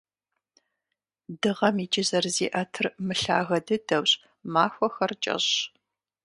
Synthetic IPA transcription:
dɨʁɐmiːt͡ʃʼɪzɐrzḭːʔɐtʰɨrmɨɬa̰ːɣɐdɨdɐwɕʼ | maːxʷɔxɐrt͡ʃʼɐ̰ɕ

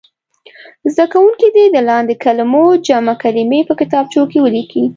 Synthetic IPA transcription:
zd̪akawuŋkid̪ed̪əlɑnd̪ekalmod͡ʒamakalimepəkɪt̪ɑb̚t͡ʃokewəliki

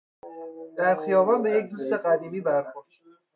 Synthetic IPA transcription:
d̪̥æɾxijɒːvɒnbejec̚d̪uːst̪e̞ɢæd̪iːmiːbæɾxoɾd̪

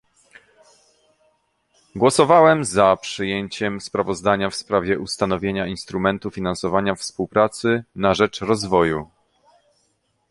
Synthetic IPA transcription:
ɡwɔsɔvawɛmzapʂɘjeɲt͡ɕɛmspɾavɔzd̪aɲafspɾavʲjɛʔust̪anɔvʲjeɲainst̪ɾumɛnt̪ufʲinansɔvaɲafspuwpɾat̪sɘnaʐɛt͡ʂɾɔzvɔju

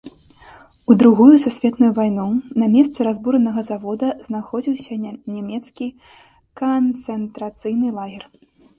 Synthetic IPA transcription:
ud̪ɾuɣujususʲvʲɛt̪nujuvajnunɐmʲɛst̪sɨɾazbuɾɐnɐɣɐzavɔd̪ɐznaxɔd͡zʲiwsʲɐnʲɛmʲɛt̪skʲi | kɐnt̪sɛnt̪ɾat̪sɨjnɨlˠaɣʲɛr

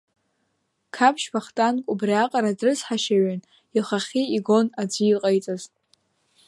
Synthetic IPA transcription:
kʰapʰʃpʰaχtʼankʷʼubriaqʼaɾadrɨsħaʃaɥan | iχaχʲiiɡo̞nad͡zʷɨiqʼajt͡sʼazʼ

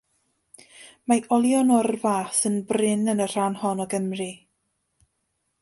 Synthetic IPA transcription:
maʔɔlˠjɔnɔrvaːsənbrɪnənər̥anhɔnɔɡəmri

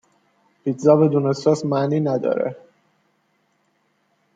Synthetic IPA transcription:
b̥it̪zɒvɛd̪unɛsɔsmaninæd̪ɒ̰ːɾɛ̰

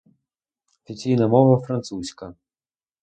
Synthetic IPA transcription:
ɔfʲit͡sʲijnɐmɔvɐfɾɐnt̪susʲkɐ

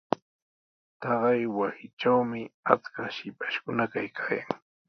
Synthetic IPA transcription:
t̪ɑɢɑjwasɪʈ͡ʂawmɪa̰t͡skaʃɪpḁʃkʊnakajkʰaːjaŋ

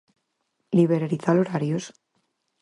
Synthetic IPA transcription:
liβeɾaɾiθaloɾaɾjos

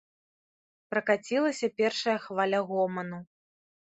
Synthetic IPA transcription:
pɾɐkat͡sʲilˠɐsʲɐpʲɛrʂɐjɐxvalʲɐɣɔmɐnu

